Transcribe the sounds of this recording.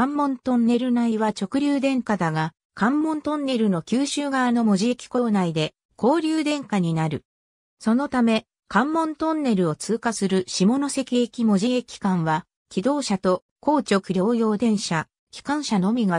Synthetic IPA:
kãmːõ̞nt̪õ̞nːe̞ɾɯ̟naiβat͡ɕo̞kɯ̟ɾʲɨːd̪ẽ̞ŋkad̪aɡa | kãmːõ̞nt̪õ̞nːe̞ɾɯ̟no̞kʲɨːɕɨːɡaːno̞mo̞ʑiekʲi̥ko̞ːnaid̪e̞ | ko̞ːɾʲɨːd̪ẽ̞ŋkaɲ̟inaɾɯ̟ | so̞no̞t̪ame̞ | kãmːõ̞nt̪õ̞nːe̞ɾɯ̟o̞t͡sɨːkasɨɾɯ̟ɕimo̞no̞se̞kʲiekʲimo̞ʑiekʲi̥kãɰ̃βa | kʲid̪o̞ːɕat̪o̞ | ko̞ːt͡ɕo̞kɯ̟ɾʲjo̞ːjo̞ːd̪ẽ̞ɰ̃ɕa | kʲi̥kãɰ̃ɕano̞mʲiɡa

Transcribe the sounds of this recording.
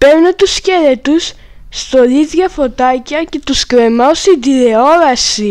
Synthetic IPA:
peɾnet̪usceɾet̪usː | t̪olizʝɐfo̞t̪ɐcɐce̞t̪uskɾemɐost̪id̪iɾeo̞ɾɐsi

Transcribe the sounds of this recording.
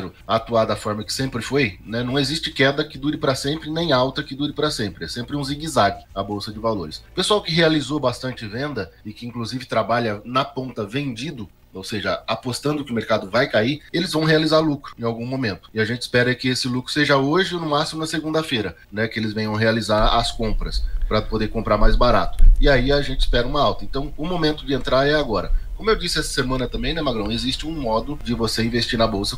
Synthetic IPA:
ɾʊat̪uad̪ɐafɔɾmɐkɪ̥sẽmpɾɪfojnɛnɐ̃w̃ezist͡ʃɪkɛd̪ɐkɪd̪uɾɪpɾɐsẽmpɾɪnẽj̃awt̪ɐkɪd̪uɾɪpɾɐsẽmpɾɪɛsẽmpɾɪũziɡizaɡɪɐbowsɐd͡ʒɪvaloɾɪspesuawkɪɦealizobast̪ɐ̃nt͡ʃɪvẽnd̪ɐɪkɪĩŋkluzivɪt̪ɾabaʎɐnɐpõnt̪ɐvẽnd͡ʒid̪ʊ | owseʒɐapost̪ɐ̃nd̪ʊkɪʊmeɾkad̪ʊvajkaielɪzvɐ̃w̃ɦealizaɾlukɾʊ̥ẽawɡũmomẽnt̪ʊ̥ɪaʒẽnt͡ʃɪ̥spɛɾɐɛkɪesɪlukɾʊseʒɐoʒɪonʊmasimʊnɐseɡũnd̪ɐfejɾɐ | nɛkɪelɪzvẽj̃ɐ̃w̃ɦealizaɾɐ̰skõpɾɐspɾɐpod̪eɾkõmpɾaɾmajzbaɾa̰t̪ʊ̥ɪaiaʒẽnt͡ʃɪ̥spɛɾɐũmɐawt̪ɐẽnt̪ɐ̃w̃ʊmomẽnt̪ʊd͡ʒɪẽnt̪ɾaɾɛaɡɔɾɐkõmʊewd͡ʒisɪɛsɐ̥semɐ̃nɐt̪ɐ̃mbẽj̃nɛmaɡɾɐ̃w̃ezist͡ʃɪũmɔd̪ʊd͡ʒɪvoseĩvest͡ʃiɾnɐbowsɐ

